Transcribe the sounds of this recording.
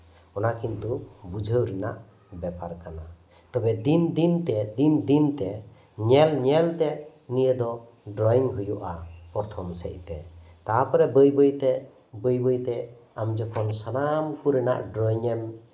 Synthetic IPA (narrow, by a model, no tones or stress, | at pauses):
ɔnakint̪ubud͡ʒʱəwɾɛna̰ʔ | bɛpaɾkana | t̪ɔbɛd̪ind̪int̪ɛd̪ind̪int̪ɛ | ɲɛlɲɛlt̪ɛ | nijəd̪ɔ | ɖɾɔiŋɦujuʔapɔɾt̪ʰɔmsɛ̰c̚t̪ɛ̰t̪apəɾɛbəjbəjt̪ɛ | bəjbəjt̪ɛamd͡ʒɔkʰɔnsanamkuɾɛna̰ʔɖɾɔiŋɛm